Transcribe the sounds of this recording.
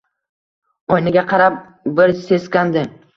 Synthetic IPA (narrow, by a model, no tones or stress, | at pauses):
ɒjnɪɡʲaqʰɑɾap̚ | bɪɾseskʲand̪ɪ